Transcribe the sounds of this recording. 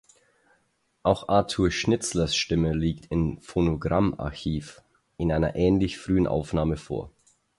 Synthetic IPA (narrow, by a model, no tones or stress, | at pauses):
ʔaʊxʔaɐtʰuːɐʃnɪt͡slɐsʃtɪməliːktʰɪmfonoɡʁama̰ɐçiːf | ʔɪnʔaɪnɐ̰ʔɛːnlɪçfʁ̥yːənʔa̰ʊfnaːməfo̰ːɐ